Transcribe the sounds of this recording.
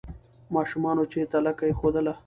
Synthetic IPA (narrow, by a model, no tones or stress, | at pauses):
mɑʃumɑnot͡ʃet̪alakaexod̪əla